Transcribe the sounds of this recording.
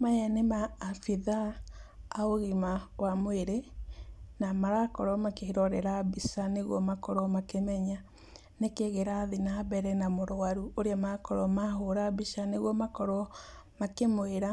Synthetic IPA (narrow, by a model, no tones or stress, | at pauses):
majɛnemaːfiðaː | oɣimawamweɾe | namaɾakɔɾɔmakehiɾɔɾɛɾabisaneɣwɔmakɔɾɔmakemɛɲa | nekeɣeɾaðinabɛɾɛnamoɾoaɾuoɾeamakɔɾɔmaɦoɾabiʃaneɣwɔmakɔɾɔmakemoeɾa